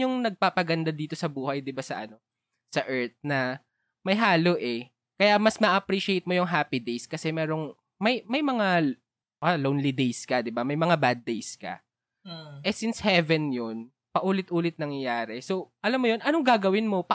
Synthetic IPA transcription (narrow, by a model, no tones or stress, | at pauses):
ʊŋnɐɡ̚paːpɐɡɐnd̪ad̪iːt̪o̞sɐbuːhɐjd̪ɪbasɐ̰ʔɐno̞ | sɐʔɛɹt̪̚nɐ | mɐjɦaːloʔɛ | kɐjamɐsmɐʔɐpɾiʃɪejt̪̚mo̞jʊŋɦaːpid̪ejskɐsɛmɛːɾoŋ | mɐjmɐjmɐŋa | ʔalownlid̪ejskɐd̪ɪbamɐjmɐŋabad̪̚ːejskɐ̰ | ʔɛsinshɛvɛnjon | pɐʔuːlɪt̪̚ʔuːlɪt̪̚nɐŋjɐjaːɾɛso̞ʔɐlamːojonʔɐnoŋɡaːɡɐwɪnmo̞pɐ